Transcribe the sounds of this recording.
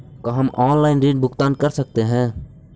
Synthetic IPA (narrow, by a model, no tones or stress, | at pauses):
kaɦɐmʔɔːnlaːɪnɾiːɖ̚bʊkt̪aːnkɐɾsək̚t̪eɦɛ̃ː